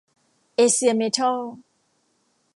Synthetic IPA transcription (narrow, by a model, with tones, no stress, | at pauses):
e˨si˨a˨me˨tʰɔ˦